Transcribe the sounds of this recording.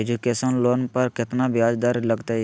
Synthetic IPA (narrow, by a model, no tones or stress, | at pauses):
ed͡ʒukeːsənloːnpɐɾkɪt̪nabjaːd͡ʒd̪aɾlɐɡt̪aɦɛ